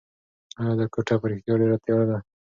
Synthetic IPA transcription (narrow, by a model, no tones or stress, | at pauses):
ad̪əkoʈapəɾixt̪jaɖeɾat̪jwad̪a